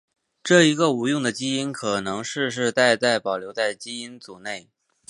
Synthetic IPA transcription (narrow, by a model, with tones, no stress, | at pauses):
ʈ͡ʂɤ˥˩i˧˥ɡə˧u˧˥jʊ˥˩ŋd̪ə˩t͡ɕi˥i˥nkʰɤ˨˩nɤ˧˥ŋʂɻ̩˥˧ʂ̬ɻ̩˥˧t̪a˥˧ɪt͡sa˥˩ɪpɑ˨˩ʊljo˧˥ʊt͡sa˥˩ɪt͡ɕi˥i˥nt͡su˨˩ne˥˩ɪ